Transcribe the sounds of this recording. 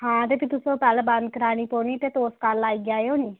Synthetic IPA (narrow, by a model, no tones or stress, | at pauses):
hãːt̪eːpit̪ʊsõːpɛlbənd̪kəɾaːñiːpoːniːt̪eːt̪oːskalaːiːɡjaːeoːniː